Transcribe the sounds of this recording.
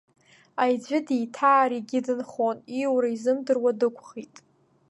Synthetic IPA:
ajd͡ʑʷɪdijtʰaːɾiɡʲɪdɨnχoniwɾaizɨmdɨrwadɨkʷʰʼχitʼ

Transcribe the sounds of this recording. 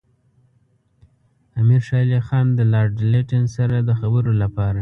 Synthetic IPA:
amiɾʃɑlixɑnd̪əlɑɖɪleʈensaɾad̪əxabəɾolapɑɾa

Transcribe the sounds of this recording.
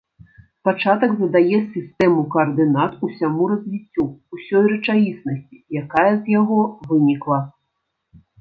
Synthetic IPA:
pat͡ʂat̪ɐɡzɐd̪ajɛsʲist̪ɛmukɐːrd̪ɨnat̪usʲamuɾɐzʲvʲit͡sʲːuːsʲɔjrɐt͡ʂajisnɐsʲt͡sʲi̥jakajɐzjaɣɔvɨnʲiklˠɐ

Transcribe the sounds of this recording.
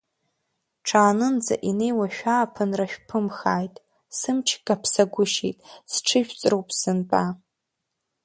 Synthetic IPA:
ʈ͡ʂʰaːnɨnd͡za̰ʔine̞jwaʃᶣaːpʰɨnraʃᶣpʰɨmxaːjtʼ | sɨmt͡ʃʰɡʼapʰsaɡʷʊʃḭtʼsʈ͡ʂʰɨʒᶣt͡sʼrowpʼsɨnpʼa

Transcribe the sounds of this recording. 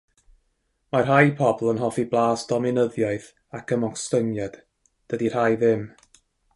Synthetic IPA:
marɦajpʰɔblˠənɦɔfiblˠaːsd̥ɔmɪnəðjɔɨθ | akʰəmɔkstəŋjad̥ | d̥ədir̥ajðɪm

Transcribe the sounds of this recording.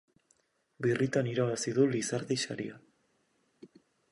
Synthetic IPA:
birit̪aniɾaβasiðulisaɾðiʃa̰ɾia

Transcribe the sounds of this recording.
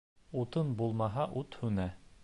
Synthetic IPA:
ut̪ɤnbulˠmɑɦɑʔut̪hʉnæ

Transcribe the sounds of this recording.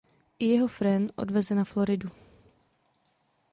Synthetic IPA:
ʔɪjɛɦofɾɛnʔo̰dvɛzɛnaflo̞ɾɪdu

